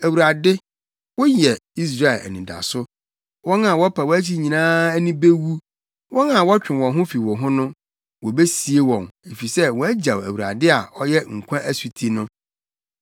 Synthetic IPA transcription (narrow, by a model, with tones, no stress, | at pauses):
æ˨wu˨ɾa˨dɪ˦ | wɔ˦jɛ˨i˦s̬ɾa˦ɛ˨ʔɛ̰˨nɪ̃˨da̰˨sʊ˦ | wɔ̃˦nã˨wɔ˦pʰa˨wɔ˦æ˦t͡ɕʰi˦ɲĩ˨nãː˦æ˦nĩ˦be˦wu˦ | wɔ̃˦na˨wɔ˦t͡ɕᶣɪ̃˨wɔ̃˨nɦʊ̃˦fi˨wɔ̃˨ɦʊ̃˦nʊ̃˦ | wɔ˨be˦si˨e˦wɔ̃˨ne˨fi˨sɛ˦wɔ˨˦æ˦d͡ʑa˨wæ̰˨wu˨ɾa̰˨dɪ˦a˨ɔ˦jɛ˦ŋ̩˨kʷʰã˦ʔæ˦su˨tʰi˦nʊ̃˦